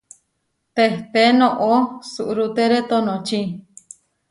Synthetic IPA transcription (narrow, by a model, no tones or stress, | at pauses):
t̪eht̪enõʔosuʔɾut̪eɾet̪onõt͡ʃi